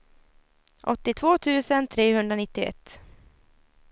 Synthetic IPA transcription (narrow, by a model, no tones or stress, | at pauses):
ʔɔt̪ːɪt̪ʰvoːt̪ʰʉ̟ːsənt̪ʰɾeːhɵnd̪ɾanɪt̪ːɪɛ̰t̪ː